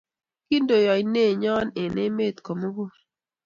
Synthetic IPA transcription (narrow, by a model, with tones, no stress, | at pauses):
ki˦ndo˨jɔ˨jne˦˨ɲɔ˦ne˨ne˦me˦˨t̪ko˨mo˦ɡo˦